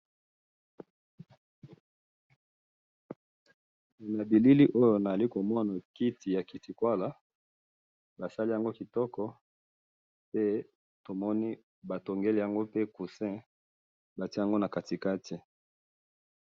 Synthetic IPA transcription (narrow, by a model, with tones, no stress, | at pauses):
na˨bi˨li˦li˦ʔo˦jo˨na˨za˨li˦ko˨mɔ˦na˨ki˦ti˨ja˨ki˨ti˨kwa˦la˨ | ba˨sa˦li˦ja˨ŋɡo˦ki˨tɔ˦kɔ˦ | pe˦ | to˨mɔ˦ni˦ | ba˨to˨ŋɡe˦li˦˨ja˨ŋɡo˦pe˦ku˨sɛ̃˦ | ba˨ti˦ja˨ŋɡo˦na˨ka˨ti˨ka˦tʰi˨